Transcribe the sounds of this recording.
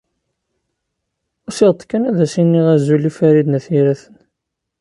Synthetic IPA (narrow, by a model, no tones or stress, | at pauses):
ʊɾsiʁt̪ˤkːænæðæsinːiʁæzulifæɾid̪næθiɾæθən